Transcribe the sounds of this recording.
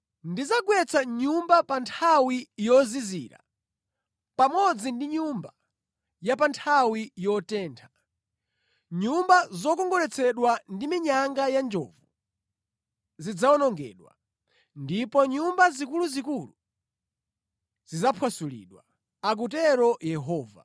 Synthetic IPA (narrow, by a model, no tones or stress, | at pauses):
ndizaɡwɛt͡sʰaɲumbapantʰawijɔziziɾa̰ | pamɔd͡zindiɲumba | japantʰawijɔtɛːntʰḁ | ɲumbazɔkɔŋɡɔɾɛt͡sʰɛɗwandimiɲaŋɡajand͡ʒɔ̰ːvu | zid͡zaɔnɔŋɡɛ̰ːɗwa̰ | ndipɔɲumbazikuluzikulu | zizapʰwasulḭːɗwa | ak̬utɛɾɔjɛɦɔːva